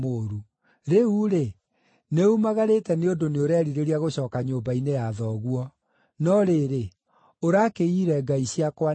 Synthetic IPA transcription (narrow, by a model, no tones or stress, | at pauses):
oɾu | ɾeuɾe | neumaɣaɾetɛneondoneoɾɛɾiɾeɾiaɣoɕɔːkaɲoːmbainejaðɔɣwɔ | nɔɾeɾe | oɾakeiːɾɛɡaiɕiakwa